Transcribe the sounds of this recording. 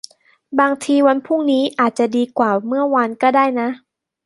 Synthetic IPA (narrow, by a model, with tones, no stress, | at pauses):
baː˧ŋt̪ʰiː˧wa˧npʰuː˥˩ŋniː˦˥ʔaː˨˩t̪̚t͡ɕa˨˩diː˧kwaː˨˩mɯ˥˩ɐwa˧nkɔː˥˩daː˥˩jna˦˥ʔ